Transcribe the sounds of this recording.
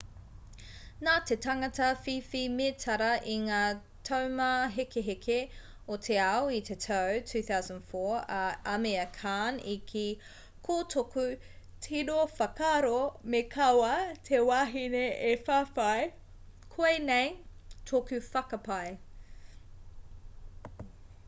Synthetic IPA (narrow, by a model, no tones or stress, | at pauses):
natʰetɐŋɐtɐfifimetʰɐɾɐʔiŋaː | tʰɐwmɐɦekeɦekʰe | otʰeawitʰetʰɐwtʰʉːθawzə̃nfoɹɐɐmeɐkʰanikʰi | kʰotʰokʉ | tʰiɾofɐkaɾomekʰɐwɐtʰewaːɦineʔefafɐj | kʰoenejtʰokʉfɐkɐpɐj